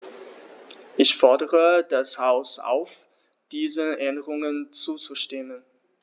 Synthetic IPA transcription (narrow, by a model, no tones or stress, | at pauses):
ʔɪçfɔɐdəʁədashaʊsʔa̰ʊf | d̥iːzəʔɛndəʁʊŋənt͡suːt͡suʃtɪmən